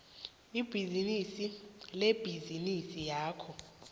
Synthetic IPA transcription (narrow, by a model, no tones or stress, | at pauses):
ib̥ʱizinisileb̥ʱizinisijaːkʰɔ